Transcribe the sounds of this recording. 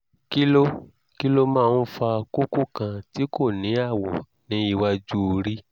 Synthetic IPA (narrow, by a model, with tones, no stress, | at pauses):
ki˦lo˦ | ki˦lo˦mãː˦˧n̩˦fa˧ko˦ko˦˨kã˧ti˨˦ko˦˨nĩ˨˦a˦˨wɔ˨ | nĩ˨˦i˧wa˧d͡ʒu˦o˧ɾi˦